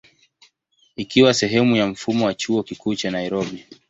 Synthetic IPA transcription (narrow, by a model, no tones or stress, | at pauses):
ikiwasɛɦɛmujam̩fumɔwat͡ʃuɔkikuːt͡ʃanaiɾɔɓi